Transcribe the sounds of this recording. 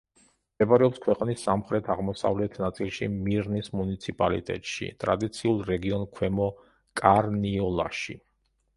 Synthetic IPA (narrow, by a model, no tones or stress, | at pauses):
mdɛbɾɛɔpskʰwɛqʼnisːamχɾɛt̪ʰaʁmɔsa̰vlɛt̪ʰnat̪sʼilˠʃimiɾnismunit̪sʰipʼalḭt̪ʼɛ̰t̪ʼʃḭt̪ʼɾad̪it̪sʰiulˠɾɛɡiɔnkʰwɛmɔ | kʼaɾniɔlˠa̰ʃḭ